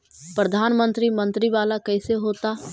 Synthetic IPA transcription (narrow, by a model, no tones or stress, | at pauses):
pɾəd̪ʱaːnmə̃nt̪ɾimə̃nt̪ɾiʋaːlakɛɪseɦoːt̪a